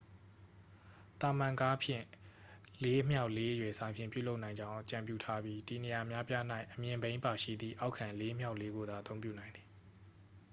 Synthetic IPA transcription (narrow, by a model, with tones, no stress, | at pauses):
t̪a˨mã˨ka˦pʰjɪ̰̃˦˨ | le˦m̥ja˦ʊʔle˦ʔjwɛ˨sã˨mpʰjɪ̃˨pjṵ˦˨lo˦ʊʔnã˨ɪ̃ɲd͡ʑã˦ʊ̃ʔət͡ɕã˨mpjṵ˦˨tʰa˦bji˦di˨ne˨ja˨əmja˦pja˦n̥a˦ɪʔəmjɪ̃˨mbẽ˦ɪ̃mpa˨ʃḭ˦˨d̪ðḭ˦˨ʔa˦ʊkʰã˨le˦m̥ja˦ʊʔle˦ɡo˨d̪a˨ʔət̪õ˦ʊ̃mpjṵ˦˨nã˨ɪ̃nd̪ði˨